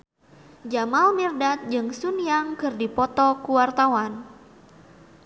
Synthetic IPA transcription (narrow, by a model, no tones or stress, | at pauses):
d͡ʒamalmirdat̪̚d͡ʒɨŋsunjaŋkɨrdipɔt̪ɔkuwart̪awan